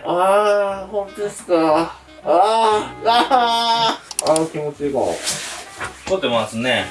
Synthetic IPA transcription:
ahõnt̪od̪esɨ̥ka | a | a | akʲimot͡ɕiika̰ | kot̪ːemasɨne

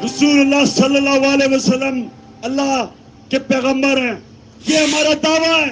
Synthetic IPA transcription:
ɾʊzuːlɐlːaːsɐlːəlːaːɦʋaːleʋɐsəlːəm | ɐlːa | kepeːɣə̃mbəɾɦɛ̃ː | jeɦɐmaːɾad̪aːʋaɛː

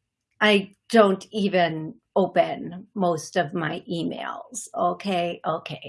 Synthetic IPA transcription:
ʔaɪ | d̥õʊ̃ntʰivɨ̃n | oʊpɨ̃nmoʊstʌvmaɪʔimḛɪlˠz̥oʊkʰeɪʔoʊkʰeɪ

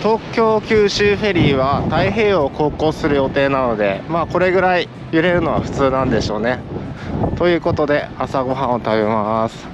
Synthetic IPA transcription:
t̪o̞ːkʲo̞ːkʲɨːɕɨːɸe̞ɾʲiːβat̪aiɦe̞ːo̞ko̞ːko̞ːsɨɾɯ̟jo̞t̪e̞ːnano̞d̪e̞̰maːko̞ɾe̞ɡɯ̟ɾai | jɯ̟ɾe̞ɾɯ̟no̞βa̰ɸɯ̟̥t͡sɨːnãnd̪e̞ɕo̞ːne̞ | t̪o̞jɯ̟ːko̞t̪o̞d̪e̞asaɡo̞ɦãɰ̃ot̪aβemasɨ̥

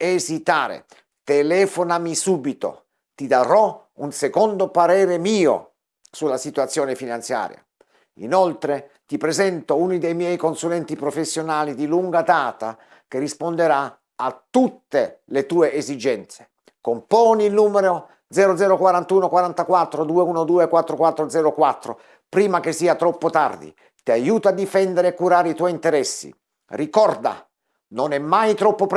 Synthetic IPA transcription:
ezit̪aːɾḛ | t̪elɛːfonamisuːbit̪o̰ | t̪id̪aɾɔ | unsekond̪opaɾɛːɾemiːo̰ | sulːasit̪uat̪sːjoːnefinant̪sja̰ːɾja̰ | ḭnolt̪ɾe | t̪ipɾezɛnt̪ounid̪ejmjɛjkonsulɛnt̪ipɾofesːjonaːlid̪iluŋɡad̪aːt̪a̰ | kerːispond̪eɾa | at̪ːut̪ːelet̪uːeʔːzid͡ʒɛnt̪se̥ | kompɔːniːlnuːmeɾo | d̪zɛːɾod̪zɛːɾokwaɾant̪uːnokwaɾant̪akwat̪ːɾod̪uːeuːnod̪uːekwat̪ːɾokwat̪ːɾod̪zɛːɾokwat̪ːɾo̰ | pɾiːmakesːiːat̪ɾɔpːot̪a̰rd̪ḭ | t̪iajuːt̪oad̪ːifɛnd̪eɾeakːuɾaːɾeit̪wɔint̪eɾɛsːḭ | rikɔrd̪a̰ | nonɛmːajt̪ɾɔpːop

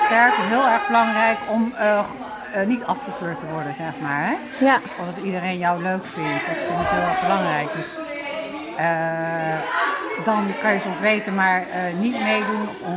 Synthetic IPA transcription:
stɛɹkəɦɪːlˠɛɹχbəlɑŋrɛjkɔm | nitɑfχəkøːɹtəʋɔɹdənzɛχmaːɹɦɛ | ɔfdɑtidərejnjɔwløɥkfɪntətfɪnɪtɦɪːlˠɛɹχbəlɑŋrɛjk̚døs | ə | dɑnkɑnjəsɔmsʋejtənmaːɹnitmejdun

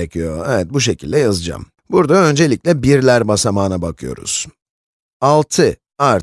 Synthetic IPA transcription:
ecʰijo̞ɛvɛt̪̚buʃ̬e̞cʰilʲd̪ɛjazɯd͡ʒa̰m | buɾd̪aø̞nd͡ʒe̞lʲiclʲɛbiɾlʲæɾbasamaːnabakʰɯjo̞̰ɾṵz̥ | alˠt̪ʰɯ | aɾ

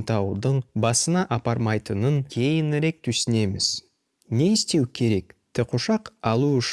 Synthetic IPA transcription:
t̪ɑwd̪əɴbɑsənɑʔɑpɑɾmɑjt̪ənəŋkʲʰe̞jɪnɪɾe̞k̚t̪ʰʉsɪne̞mɪ̰z̥ | ne̞ɪst̪e̞wkʲʰe̞ɾe̞kt̪ʰɪqʰoʃɑqɑlˠuʏʃ

